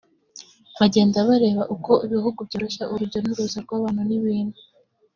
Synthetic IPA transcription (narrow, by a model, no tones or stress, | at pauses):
βaɟe̞ːndaβaɾe̞ːβaʔuko̞iβiɦuɡubɟoːɾoʃaʔuɾuɾɟo̞nuɾuzaɾɡwaːβaːn̥uniβiːnu